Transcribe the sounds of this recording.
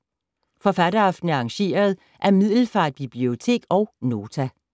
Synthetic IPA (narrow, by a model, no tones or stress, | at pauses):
fɒ̽fædɐɑ̈fd̥n̩əɑ̈ŋɕe̝̰ːɐð̞̩ˠ | ʔæɐmið̰ˠl̩fɑ̈ːd̥̚b̥ib̥lio̝t͡sʰe̝̰ːɡ̥ɒ̽ʊno̝ːt͡sʰæ